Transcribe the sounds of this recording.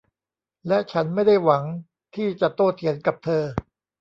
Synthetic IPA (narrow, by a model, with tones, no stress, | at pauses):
lɛ˦˥ʔt͡ɕʰa˦˥nma˥˩jda˥˩jwa˩˦ŋ | t̪ʰiː˥˩t͡ɕa˨˩t̪oː˥˩t̪ʰi˩˦ənka˨˩p̚t̪ʰɤː˧